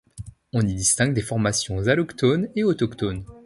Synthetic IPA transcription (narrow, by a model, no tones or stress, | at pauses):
ɔ̃nid̪ist̪ɛ̃ŋɡd̪efɔʁmasjɔ̃zalɔkt̪oneɔt̪ɔkt̪on